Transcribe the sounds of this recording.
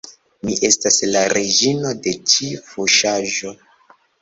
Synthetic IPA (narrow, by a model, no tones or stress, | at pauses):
miʔe̞staslaɾʔed͡ʒino̞de̞t͡ʃifuʃaʒo̞